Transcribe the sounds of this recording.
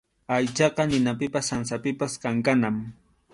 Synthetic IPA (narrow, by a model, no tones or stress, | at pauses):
ajt͡ʃɑqɑnɪnapɪpasːansapɪpaskaŋkanam